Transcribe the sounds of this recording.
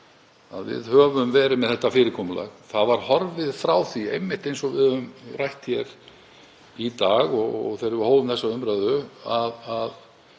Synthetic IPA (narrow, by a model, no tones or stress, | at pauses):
a̰ðvɪ̰ðhœːvʏmvɛːɾɪmɛðθɛht̪ːafɪːɾɪkʰɔːmʏla̰ɣθavaɾ̥hɔɾvɪðfɾaːwθiejmːɪht̪ejnsɔɣvɪðʏmrajht̪çɛɾ̥ | it̪aːɣɔɣɔ̰ɣθejɾɪvʏhoːwlʏmθɛsːaʏmɾœðʏaðað